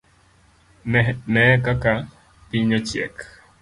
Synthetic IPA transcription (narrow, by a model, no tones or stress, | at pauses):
mekaka | piɲot͡ʃiḛk